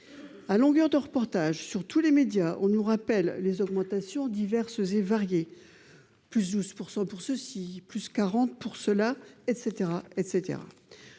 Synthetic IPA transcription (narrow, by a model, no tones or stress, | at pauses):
alɔ̃ɡœʁd̪əʁəpɔʁt̪aʒsyʁt̪ulemed̪jaʔɔ̃nuʁapɛlːezɔɡmɑ̃t̪asjɔ̃d̪ivɛʁszevaʁje | plys̬d̪uz̥puʁsɑ̃puʁsəsiplyskaʁɑ̃t̪puʁsəlaɛt̪set̪eʁaɛt̪set̪ḛʁa̰